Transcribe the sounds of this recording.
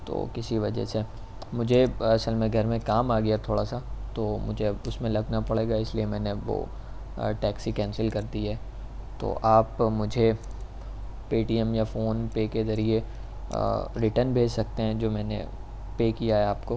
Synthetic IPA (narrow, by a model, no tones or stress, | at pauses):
t̪o̰ːkɪsiʋɐd͡ʒɛ̰se | mʊd͡ʒʱeɐsəlmẽɡʱɐɾmẽkaːmaːɡɐjat̪ʰoːɽasat̪oːmʊ̰d͡ʒʱeʊsmẽlɐɡnapɐɽeːɡaɪsliemɛ̃ːneʋo̰ː | ʈɛːksikɛ̃ːnsəlkɐɾd̪iɦɛː | t̪o̰ːʔaːpmʊd͡ʒʱe | piːʈiɛmjafoːnpeːkezɐɾie | ɾɪʈənbʱeːd͡ʒsɐk̚t̪eɦɛ̃d͡ʒoːmɛːnḛ | peːkijaɦɛaːpko